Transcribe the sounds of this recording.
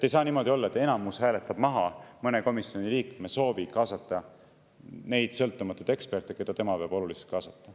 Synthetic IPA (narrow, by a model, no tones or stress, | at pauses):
t̪ːe̞jsɑːniːmo̞d̪̥ʲio̞lːɑe̞t̪ːe̞nɑmushæːle̞t̪ːˑɑb̥mɑɦɑmɤne̞ko̞misːio̞niliːkmeso̞ːvikɑːsɑt̪ːˑɑ | ne̞jd̪̥sɤ̞lt̪ːˑumɑt̪ːˑud̪̥e̞kspe̞rt̪ˑːekujd̪ɑt̪e̞mɑveːb̥o̞luliselt̪̚kɑːsɑt̪ːˑɑ